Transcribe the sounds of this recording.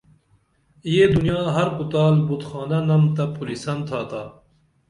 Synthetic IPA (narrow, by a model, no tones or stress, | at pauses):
jed̪unjɑːɦɐɾkut̪aːlbut̪xɑːnɐnɐmt̪ɐpulisɐmt̪ʰaːt̪aː